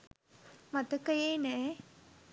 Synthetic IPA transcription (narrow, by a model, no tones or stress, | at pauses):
mat̪əkəjeːnɛ